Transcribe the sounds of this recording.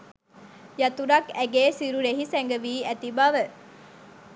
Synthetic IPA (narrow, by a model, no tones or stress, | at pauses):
jɐt̪uɾɐkæɡeːsiɾuɾeɦisɛŋɡəʋiːæt̪ibaʋə